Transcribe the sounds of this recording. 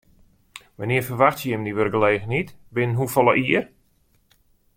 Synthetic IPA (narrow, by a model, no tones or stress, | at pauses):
ʋanɪəfərʋaxtjəjɪmdiʋørɡəleːɣənitbɪnnɦufɔlˠəʔiər